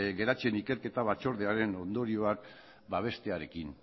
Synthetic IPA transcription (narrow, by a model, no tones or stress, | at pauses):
ɡe̞ɾat͡se̞nike̞ɾke̞t̪aβ̞at͡ʃo̞ɾðeaɾe̞no̞nd̪o̞ɾio̞ak̚ | baβ̞e̞st̪e̞aɾe̞kin